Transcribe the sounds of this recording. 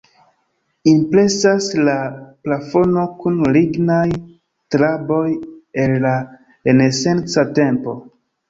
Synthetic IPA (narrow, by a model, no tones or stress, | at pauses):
impɾe̞saslaplafo̞no̞kunliɡnaj | tɾaboje̞lːa | ene̞se̞nt͡sate̞mpo̞̰